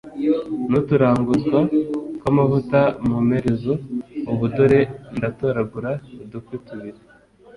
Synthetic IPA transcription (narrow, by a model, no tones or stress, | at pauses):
notuɾaːŋɡuzɡwakamavutamume̞ɾezouβudoɾe̞ndatoɾaɡuɾaudukwituβiɾe